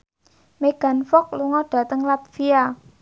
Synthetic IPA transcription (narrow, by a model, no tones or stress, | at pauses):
meɡ̥a̤nfɔk̚luŋɔɖ̥ä̤t̪əŋlat̪̚fia